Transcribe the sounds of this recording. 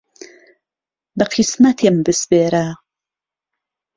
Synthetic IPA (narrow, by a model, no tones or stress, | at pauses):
bɐqʰismɐt̪ʰembɨsbeːɾa